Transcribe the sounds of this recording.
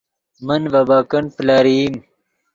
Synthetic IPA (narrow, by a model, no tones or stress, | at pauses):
mənvɐbaːkɐnplaːɾim